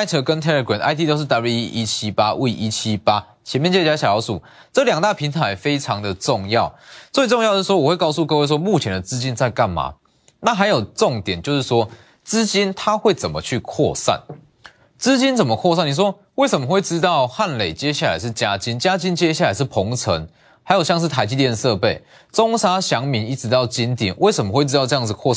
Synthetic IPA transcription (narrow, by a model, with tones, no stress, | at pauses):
a˥ɪt̪ʰɤ˧˥kə˦nt̪ʰɛ˥ə˨˩kwɛ˨˩˦nʔa̰˧˥ɪi˥t̪o˥ʊʂɻ̩˥˩t̪a˧˥bi˧˥i˦ʔi˦˥t͡ɕʰi˦pa˥ʔu˥˩i˧ʔi˦t͡ɕʰi˦pa˦˥ | t͡ɕʰɛ˧˦nmjɛ˥˨nt͡ɕɛ˥a˧ɕa˨˩jɑ˨˦˥ʊsu˨˩˦ | ʈ͡ʂɤ˥˨ljɑ˨˩ŋt̪a˥˩pʰi˧˥nt̪ʰa˧˦ɪfe˥ɪʈ͡ʂʰɑ˨˦ŋd̪ə˨ʈ͡ʂʊ˥˧ŋjɑ˥˨ʊt͡swe˥˩ɪʈ͡ʂo˥˧ŋj̪ə˧ʂ̩˥˩wɔ˥wɔ˨˩we˥˧kɑ˥˧ʊsu˥˧kɤ˥˧we˥˩ɪʂ̬wɔ˦˥mu˥˨t͡ɕʰjɛ˧˦nd̪ə˨˩t͡sɹ̩˦˥t͡ɕi˦nt͡sa˥˧ɪka˥˩nma̰˨˩˦ | na˥˩xa˧˥ɪjo˨˩ʊʈ͡ʂo˥˨ŋt̪jɛ˨˩˦nt͡ɕjo˥˧ʊʂɻ̩˥˩ʂwɔ˥ | t͡sɹ̩˥t͡ɕi˦nt̪ʰa˦xwe˥˩ɪt͡sə˨˩mə˨˦t͡ɕʰy˥˨kʰwɔ̰˥˨sa̰˥˩n | t͡sɹ̩˦t͡ɕi˦nt͡sə˨˩nmə˦kʰwɔ˥˧sa˥˩ni˨˩wɔ˦˥ | we˥˩ɪsə˨˦mə˩xwe˥˩ɪʈ͡ʂɻ̩˦˥t̪ɑ˥˧ʊxa˥˨˩nle˨˩ɪt͡ɕjɛ˦ɕja˥˩la̰˨˦ɪʂ̬ɻ̩˥˩t͡ɕja˥t͡ɕi˧˦nt͡ɕja˥t͡ɕi˥nt͡ɕjɛ˥˦ɕ̬ja˥˩la˨˦ɪʂ̬̩˥˩pʰɔ˧˦ŋt͡sʰə˧˦ŋ | ha˧˥ɪjʊɕjɑ˥˧ŋʂ̬ɻ̩˥˩t̪ʰa˧˥ɪt͡ɕi˥˧t̪jɛ˥˧nʂɤ˥˧pe˥˩ɪ | t͡so˦ŋsa˥ɕjɑ˧˦ŋmi˧˥ŋi˧˥ʈ͡ʂɻ̩˧˥t̪ɑ˥˩ʊt͡ɕi˦˥nt̪jɛ̰˨˩nwe˥˩ɪsə˧˩mə˦xwe˥˩ɪɻ̩˥t̪ɑ˥˧ɤ˥˧jɑ˥ŋd͡zkʰɔ˥˧